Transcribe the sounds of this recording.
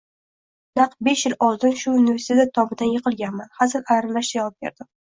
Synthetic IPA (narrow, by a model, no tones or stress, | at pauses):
nɑqbe̞ʃjɪlɒlˠd̪ɪnʃʊunɪvʲe̞ɾsɪt̪ʰt̪at̪ʰɒbɪd̪anjɨqʰɨlˠɡʲanmanhasɪɾaɾalaʃd̪ajavɒp̚bʲe̞̰ɾd̪ɪ